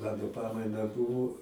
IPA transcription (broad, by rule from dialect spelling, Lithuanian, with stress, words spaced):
ˈmɑːnoː ˈpɑːmɐɪnɐ ˈbʊʋoː